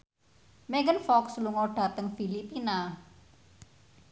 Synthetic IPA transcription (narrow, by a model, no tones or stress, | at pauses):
mɛŋɡənfɔksluŋɔɖ̥a̤t̪əŋfilipina